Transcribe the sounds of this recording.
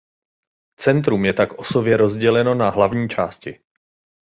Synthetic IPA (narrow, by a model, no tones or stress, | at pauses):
t͡sɛnt̪̬ɾumjɛt̪akʔo̞so̞bjɛɾo̞zɟɛlɛno̞naɦlavɲiːt͡ʃaːscɪ